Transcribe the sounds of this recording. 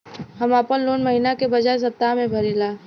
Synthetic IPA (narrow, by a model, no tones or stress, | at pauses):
ɦɐmaːpənloːnmɐɦiːnakebɐd͡ʒaːes̬ɐb̚t̪amẽbʱɐɾilaː